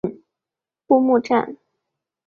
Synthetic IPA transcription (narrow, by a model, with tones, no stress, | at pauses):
pu˥˧mu˥˧ʈ͡ʂa̰˥˩n